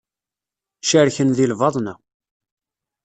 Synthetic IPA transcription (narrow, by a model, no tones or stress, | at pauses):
ʃəɾçənðilvɑðˤnæ